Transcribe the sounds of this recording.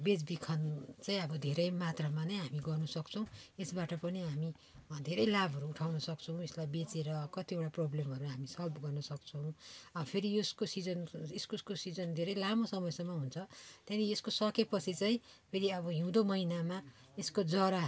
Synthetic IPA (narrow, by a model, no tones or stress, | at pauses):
bed͡zbikʰʌnt͡saĩʌbʌd̪ʱeɾʌjmat̪ramanʌjɦamiɡʌrnʌsʌkt͡sʰʌw̃esbaʈʌpʌniɦami | d̪ʱeɾʌjlabʱʌɾuːʈʰawnʌsʌkt͡sʰʌw̃eslajbet͡seɾʌkʌt̪ieʈaproblemɦʌɾuɦamisʌlbɡʌrnʌsʌk̚t͡sʰʌw̃ʌbpʰeɾijoskosid͡zʌneskoskosid͡zʌnd̪ʱeɾʌjlamosʌmʌjsʌmːʌɦunt͡sʰʌt̪jãnieskosʌkepʌt͡sʰit͡saĩpʰeɾiʌbʌɦiw̃d̪omʌɦinama | eskod͡zʌɾa